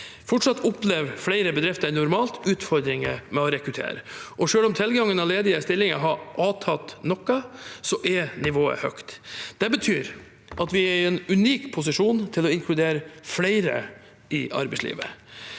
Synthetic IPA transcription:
fɔʈʂɑt̪ːʊpleʋflæɪɾəbɛd̪ɾɪft̪əɾnʊɾmɑːlt̪ʉːt̪fɔɾd̪ɾɪŋə̰mɛɔɾɛkɾʉt̪ʰḛːɾəʔɔʂøːlɔmt̪ʰɪlɡɑŋənɑleːd̪ɪəst̪ɪlːɪŋəɦɑʔɑːt̪ʰɑt̪nɔkːɑsɔʔɛnɪʋoːə̰hœ̰kt̪d̪̥ɛbət̪ʰyːɾ | ʔɑt̪ʋɪæɾɛnʉniːkpʰʊs̬ɪʂuːnt̪ʰɪlɔɪŋkʰlʉd̪eːɾəflæɪɾə̰ | ɪɑ̰ɾbɛɪslḭːʋə

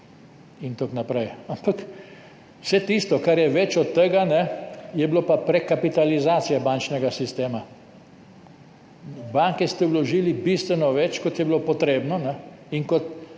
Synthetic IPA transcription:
int̪oknapɾɛjampak | wsɛt̪ist̪ɔkaɾjɛʋɛt͡ʃɔt̪ːəɡanɛjɛbilopapɾɛkapit̪alizaːt̪sijabant͡ʃnɛɡasist̪eːma | baŋkɛst̪ɛwlɔʒiːlibist̪ʋɛnɔʋɛt͡ʃkɔt̪jɛbilopɔt̪ɾeːbnɔnɛ | iŋkɔt̪

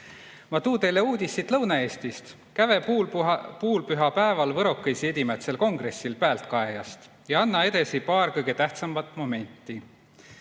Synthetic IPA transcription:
mɑt̪uːt̪e̞jlːe̞uːd̪̥ʲisːit̪lɤwnɑe̞ːst̪ist̪ | kæve̞ | puːlpyɦɑpæevɑlvɤɾo̞kːˑejsie̞d̪̥ʲimet̪se̞lko̞ŋɡ̥re̞sːilpæːlt̪kɑe̞jɑ̰st̪ | jɑɑnːɑe̞d̪̥e̞sipɑːrkɤjɡe̞t̪æht̪sɑmvɑt̪ːˑmo̞me̞nʲt̪ːˑi

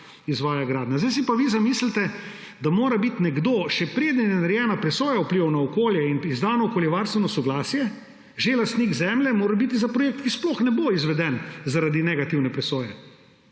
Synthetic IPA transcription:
izʋaːjaɡɾaːd̪nazd̪ajs̬ipaʋizamislit̪ɛ | d̪amoːɾabit̪nɛɡd̪oːʃɛpɾeːd̪nɛnɛnaɾjɛːnapɾɛsoːjaupliʋawnaɔkoːljɛinizd̪aːnɔɔkoljɛʋaɾst̪ʋɛnɔsɔɡlaːsijɛ | ʒelast̪niːɡzɛːmlɛmoːɾabit̪izapɾɔjeːk̚t̪kisploxnɛboizʋɛd̪ɛnzaɾad̪inɛɡat̪iwnɛpɾɛsoːjɛ

